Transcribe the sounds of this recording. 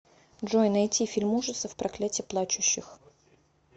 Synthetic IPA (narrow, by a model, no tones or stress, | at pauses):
dʐojnɐjtʲifʲɪlʲmuʐɨt̪səfpɾɐklʲætʲɪplˠat͡ɕʊɕːɪx